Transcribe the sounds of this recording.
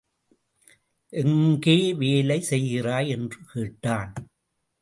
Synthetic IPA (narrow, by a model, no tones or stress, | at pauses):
ʔɛŋɡeːʋeːlɐɪsɛjɣɪraːjɛndrɯkeːʈːaːn